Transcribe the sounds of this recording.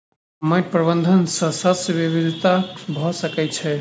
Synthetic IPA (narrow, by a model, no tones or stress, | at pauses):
məpɾəbənd̪ʱənsəsəsbibid̪ʱit̪abʱɔsəkɛt͡ʃʰɛ